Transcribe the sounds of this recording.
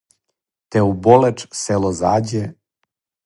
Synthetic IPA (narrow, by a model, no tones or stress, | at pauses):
t̪eubolet͡ʃselozaːd͡ʑe